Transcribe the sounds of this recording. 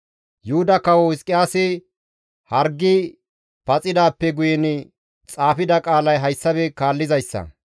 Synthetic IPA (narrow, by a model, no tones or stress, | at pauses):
jʊhʊd̪ɐkɐwɔwɪskʼːɪjaːsɪ | hɐɾɡːɪ | pɐt͡sʼɪd̪aːpːɛɡʊjɛnɪ | t͡sʼaːfɪd̪ɐkʼaːlɐjɦɐjsːɐbɛkaːlːɪzɐjsːɐ̰